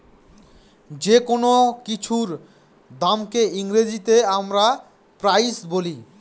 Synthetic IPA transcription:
d͡ʑekonokit͡ɕʰuɾ | d̪amkeʔiŋɾed͡ʑit̪eamɾa | pɾajsboli

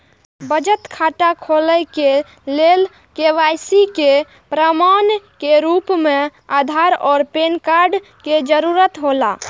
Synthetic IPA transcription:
bəd͡ʒət̪kʰaʈakʰoləjke | lel | keʋajsike | pɾəmankeɾupmead̪ʱaɾɔːɾpenkaɾɖ | ked͡ʒəɾuɾət̪ɦola̰

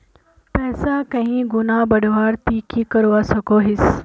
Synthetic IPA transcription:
pɛːsakɐ̃ɦĩɡʊnabɐɖʱʋaːɾt̪iːkikɐɾuʋasɐɡoɦɪs

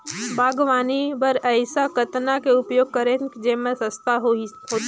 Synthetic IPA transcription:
bʱaːɡʋaːnibɐɾɐɪsakɐt̪nakeʊpjoːɡ̚kɐɾẽnkid͡ʒeːmẽsəst̪aɦ | ɦoː

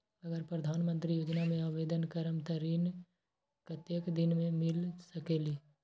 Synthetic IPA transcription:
ɐɡəɾpɾəd̪ʱaːnmə̃nt̪ɾijoːd͡ʒnamẽaʋeːd̪ənkəɾəmt̪əɾiːn | kət̪jekd̪ɪnmẽmɪlsəkeːliː

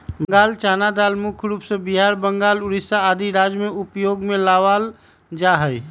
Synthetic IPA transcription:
bŋɡaːlt͡ʃaːnad̪aːlmʊkʰɾuːpsebiɦaːɾbəŋɡaːlʊɾisaːd̪iɾad͡ʒmeupjoɡmelaʋal | d͡ʒaɦəj

